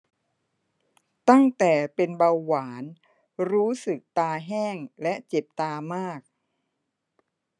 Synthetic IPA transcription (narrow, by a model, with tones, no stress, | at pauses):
t̪a˥˩ŋt̪ɛː˨˩pe˧nba˧wːaː˩˦n | ɾuː˦˥sɯ˨˩k̚t̪aː˧ɦɛː˥˩ŋlɛ˦˥ʔt͡ɕe˨˩p̚t̪aː˧maː˥˩k̚